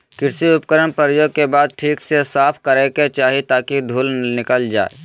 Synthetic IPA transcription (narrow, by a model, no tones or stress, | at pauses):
kɪɾsiʊp̚kəɾənpəɾjoːɡ̚kebaːd̪̚ʈʰiːksesaːpʰkəɾeket͡ʃaːɦit̪aːkid̪ʱuːlnɪkəld͡ʒa̰ːḛ